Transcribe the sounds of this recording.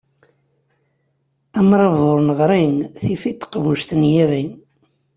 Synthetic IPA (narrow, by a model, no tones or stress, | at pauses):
æmɾˤɑvðˤoɾˤnəʁɾˤinθifit̪ːə̥qβuʃθənjiʁin